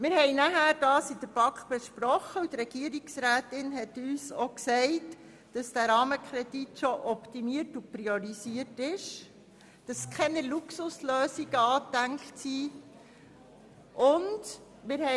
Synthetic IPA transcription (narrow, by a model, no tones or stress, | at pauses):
mɪɾhɛɪnæɦæːɾd̥ɑːsid̥əɾb̥ɑkχb̥ɛʃpɾɔχəut̪ɾɛɡ̥iəɾiksɾæːtɪnɦɛtyːsɔksɛɪt | d̥ɑsd̥æɾɑːməkʰɾɛd̥itʃɔʔɔptimiəɾtupɾiɔɾiziətɪʃ | d̥ɑskʰχɛnɛluksusløːsiɡ̥əɑːtːæŋktsiː | ʔʊnd | mɪɾhɛ